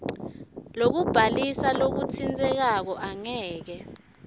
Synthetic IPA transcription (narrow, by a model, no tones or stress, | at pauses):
lok̬ub̥ʱalisalok̬utʰind͡zʼɛk̬ak̬ɔʔaŋɛːk̬ɛ